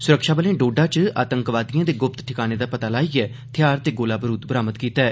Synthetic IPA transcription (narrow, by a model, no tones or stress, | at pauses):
sʊɾəkʃaːbəlẽːɖoːɖaːt͡ʃa̰ːt̪əŋkʋaːd̪ijãːd̪eːɡʊp̚t̪ʈʰɪkaːneːd̪aːpət̪aːlaːiːɛː | t̪ʰɪjaːɾt̪eːɡoːlaːbəɾuːt̪bəɾaːmət̪kiːt̪aːɛː